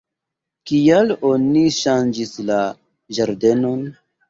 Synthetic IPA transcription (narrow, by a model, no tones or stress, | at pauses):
kijalo̞niʃand͡ʒisla | ʒaɾde̞no̞n